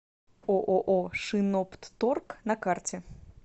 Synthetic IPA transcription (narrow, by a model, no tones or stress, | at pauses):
ɔʔɔʔɔʂɨnɔpt̪ːɔrknɐkart͡sʲɛ